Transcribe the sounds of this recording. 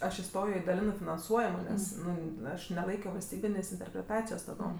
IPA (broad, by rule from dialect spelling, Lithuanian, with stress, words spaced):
ˈɐʃ ɪˈstoːjoː ɪ dɐˈlʲɪnɜ fʲɪnɐnˈsuɔjɛmoː ˈnʲɛs ˈnʊ ˈɐʃ nʲɛˈlˠɐɪkʲoː ʋɐlʲsʲˈtʲiːbʲɪnʲeːsʲ ɪnʲtʲɛrʲpʲrʲɛˈtɑːt͡sʲɪjoːs tɐˈdoːm